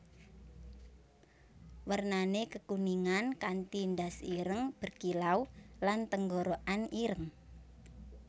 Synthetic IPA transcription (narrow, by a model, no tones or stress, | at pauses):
wərnanekəkuniŋankant̪ind̪asiɾəŋb̥ə̤rkilaulant̪əŋɡoɾoʔaniɾəŋ